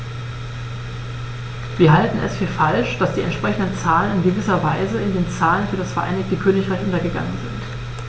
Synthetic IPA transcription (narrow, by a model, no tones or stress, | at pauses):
v̥iːɐɦaltn̩ʔɛ̰sfyːɐfalʃd̥asd̥iːɛ̰ntʃpʁ̥ɛçn̩dənt͡saːlənɪnɡəvɪsɐvaɪzəɪndeːnt͡saːlənfyːɐdasfɛɐʔa̰ɪnɪçtəkʰøːnɪçʁ̥aɪçʔʊntɐɡəɡa̰ŋənzɪ̰nt